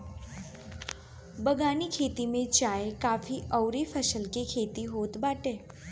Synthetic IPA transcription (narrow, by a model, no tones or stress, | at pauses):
bəɡanikʰet̪imẽt͡ʃaekafiʔəwɾifʰəʃəlkekʰet̪iɦoːt̪baʈe